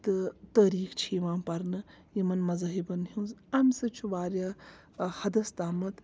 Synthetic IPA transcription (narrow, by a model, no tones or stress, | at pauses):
t̪ɨt̪əːɾiːkt͡ʃʰiʋãːpɐɾnɨ | jimɐnmɐzɐɦibɐnɦũzamsɨt͡ʃʰuʋaːɾjɐ | hɐd̪ɐst̪aːmɐt̪